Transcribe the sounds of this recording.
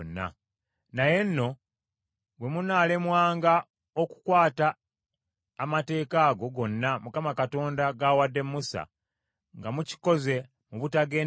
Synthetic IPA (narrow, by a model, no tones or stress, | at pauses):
nːa̰ | naje̞nːo̞ | bwe̞munaːle̞mwaːŋɡa | oku̥kwaːtaː | mate̞ːkaːɡo̞ɡo̞nːamukamakato̞ːndaɡawadːe̞mːusa̰ | ŋɡamuci̥ko̞ze̞ | muβutaɡe̞ː